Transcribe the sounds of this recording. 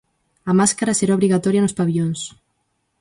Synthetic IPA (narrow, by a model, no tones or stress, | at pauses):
ɐmaskaɾaseɾaoβɾiɣat̪ɔɾjanospaβioŋs